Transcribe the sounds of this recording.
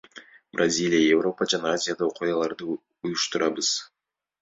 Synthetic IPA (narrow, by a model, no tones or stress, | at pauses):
brʔazʲilʲijajevro̞pəd͡ʒanɑazʲɪjad̪ɑo̞qʰujɑlˠɑɾd̪ɯ | ujuʃt̪uɾʔɑbəz̥